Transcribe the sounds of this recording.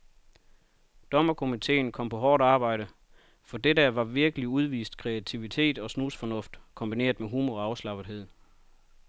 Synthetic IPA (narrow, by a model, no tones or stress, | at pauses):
d̥ɒ̽mɐkʰo̝mit͡sʰe̝̰ːnkʰɒ̽m̰pʰɒ̽ɦɒːd̥ɑ̈ːb̥ɑ̈ɪ̰ɾ̥ə | fɒ̽d̥edəʋɑ̈ʋiɐɡ̥əliuð̞ˠʋḭːsd̥̚kʰʁeæt͡sʰiʋit͡sʰe̝̰ːd̥ɒ̽snuːsfɒ̽nɔ̽fd̥kʰɔ̽mb̥ine̝̰ːɐðˠmeɦuːmɒɑ̈ʊslɑ̈b̥ð̩ˠɦe̝ð̞̰ˠ